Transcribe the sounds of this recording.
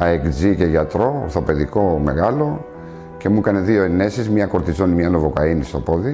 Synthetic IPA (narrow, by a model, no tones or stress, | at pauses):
ɐekd͡zice̞ʝɐt̪ɾo̞̰ːɾθo̞pe̞ðiko̞meɣɐlo̞ | ce̞mukɐne̞ðio̞enːe̞sizmɲɐko̞ɾt̪izonimɲɐnovokɐinist̪o̞po̞ði